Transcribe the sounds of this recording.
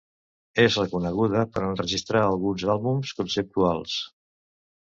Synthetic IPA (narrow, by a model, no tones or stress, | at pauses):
ezrəkunəɣuðəpəɾənrəʒist̪ɾaəlˠɣunzalˠβumskunsəp̚t̪ualˠs